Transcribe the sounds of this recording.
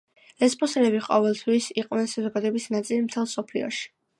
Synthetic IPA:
ɛspʼɔsɛlɛbiqʼɔvɛlˠt̪ʰwisiqʼvwnɛnsazɔɡad̪ɔɛbisnat̪sʼilimt̪ʰɛlˠsɔpʰlḭɔ̰ʃi̥

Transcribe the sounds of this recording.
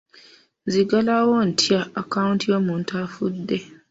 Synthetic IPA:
ziɡalawon̩tʰijaakaũntiamũn̩tʰafudːɛ

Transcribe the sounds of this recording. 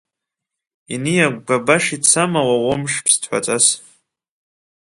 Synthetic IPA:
inijaɡʷɡabaʂit͡sʰamawawomʂpʰstʰħʷa̰t͡sʼas

